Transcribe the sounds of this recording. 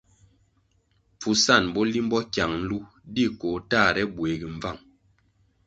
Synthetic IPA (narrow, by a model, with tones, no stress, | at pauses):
p͡fu˨sa˦˨nbɔ˦li˦m˦bɔ˦kja˨ŋn̩˦lu˦ | di˦˨ko˨taː˦˨ɾɛ˦bwe˨ɡi˨ɱ̩˨va˦˨ŋ